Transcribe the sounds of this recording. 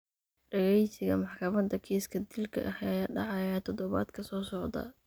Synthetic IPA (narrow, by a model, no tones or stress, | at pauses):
ɖɐɣɛjsɪɣɐmɑħkʰɐmɐd̪ɐkʰiːskʰɐd̪ilkʰɐ̰ʔɐhjaːɖɑʕɑjaːt̪ʰɔd̪ɔβa̰ːd̪kʰɐsɔːsɔʕd̪ɐ̰